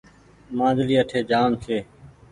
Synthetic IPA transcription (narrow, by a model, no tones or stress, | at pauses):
mãːzliːəʈʰeːd͡ʒaːmt͡ʃʰeː